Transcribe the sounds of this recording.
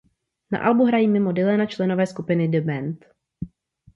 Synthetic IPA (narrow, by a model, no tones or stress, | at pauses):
na̰ʔalbuɦɾajiːmɪmo̞dɪlɛnat͡ʃlɛnovɛːskupɪnɪdɪmɛnt̪